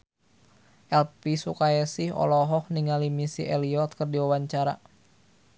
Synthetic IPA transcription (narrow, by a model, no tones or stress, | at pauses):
ʔɛlpisukajasihɔ̰lɔɦɔhniŋalimisḭʔɛliɔt̪̚kərdiwawaɲt͡ʃaɾa̰